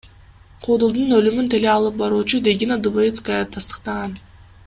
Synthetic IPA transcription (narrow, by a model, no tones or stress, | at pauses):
qʰud̪ulˠd̪unølymynt̪ʰe̞leɑlˠɯp̚bɑɾuːt͡ʃud̪ʲeɡʲinad̪ubojʲit̪skajat̪ʰɑst̪ə̥q̚t̪ɑʁɑn